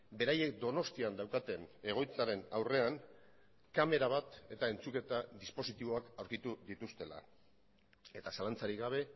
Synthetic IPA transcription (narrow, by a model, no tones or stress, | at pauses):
be̞ɾaje̞k̚d̪o̞no̞st̪iand̪awkat̪e̞ne̞ɣo̞jt͡saɾe̞nawre̞an | kame̞ɾaβat̪e̞t̪ae̞nt͡suke̞t̪aðispo̞sit̪iβo̞akawɾkit̪uðit̪ust̪e̞la̰ | e̞t̪asalant͡saɾiɣaβ̞e̞